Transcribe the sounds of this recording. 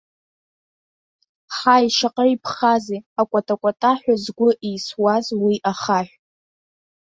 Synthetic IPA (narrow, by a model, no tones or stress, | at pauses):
ħajʃaqʼəripʰχazeakʷʼatʼakʷʼatʼaħʷᶣazɡʷʊʔijswazwiʔaχaħᶣʷ